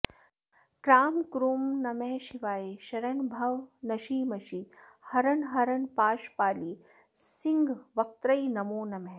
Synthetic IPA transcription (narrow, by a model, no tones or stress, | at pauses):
kɾaːmkɾuːmnɐmeɦʃiʋaːjiʃɐɾɐɳbʱɐʋnɐʃiːmɐʃi | hɐɾɐɳɦɐɾɐɳpaːʃpaːli | siŋɡʋɐk̚t̪ɾɐjnɐmoːnɐmeɦ